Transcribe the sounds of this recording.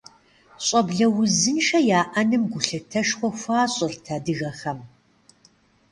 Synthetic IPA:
ɕʼɐbɮɐwʊzɨnʃɐjaːʔɐnɨmɡʷʊɬɨtʰɐʃxʷɔxʷaːɕʼɪrtʰadɨɣɐχɐm

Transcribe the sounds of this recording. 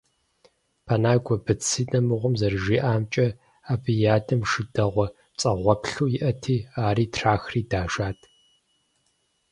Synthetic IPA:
pʰanaːɡʷɔbɨt͡sʰiːnɐmɨʁʷʊmzɐrɨʒiːʔaːmt͡ʃʼɐ | aːbʰɨjaːdɐmʂɨdɐʁʷɔ | t͡sʼɐʁʷɔpɬuːjɪʔɐtʰiːaːɾiːtʰraːxriːdaːʒaːtʰ

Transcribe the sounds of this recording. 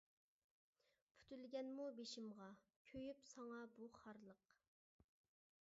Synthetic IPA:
pʰy̥t̪ʰylɡʲɛnmubeʃɪmʁɑkʲʰøjypsɑŋɑbuχɑɾlˠəq

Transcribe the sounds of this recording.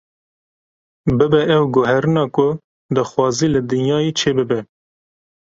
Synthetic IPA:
bɨbɛʔɛwɡʊɦɛɾɨnɑːkʊ | d̪ɑxwɑːziːlɨd̪ɨnjɑːjet͡ʃʰeːbɨbɛ

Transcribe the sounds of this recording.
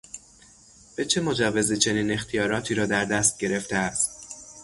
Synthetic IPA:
b̥e̞t͡ʃʰe̞mo̞d͡ʒævːezit͡ʃʰe̞niːne̞xt̪ʰijɒːɾɒːt̪ʰiːɾɒːd̪æɾd̪æst̪̚ɟe̞ɾe̞ft̪eæst̪

